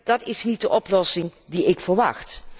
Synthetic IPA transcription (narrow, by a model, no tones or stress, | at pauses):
d̥ɑtɪsnit̚dəʔɔplɔsɪŋdiɪkfəɹʋɑ̰xt